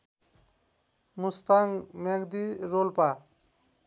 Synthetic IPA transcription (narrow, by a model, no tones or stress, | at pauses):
must̪aŋmeɡd̪iɾolpa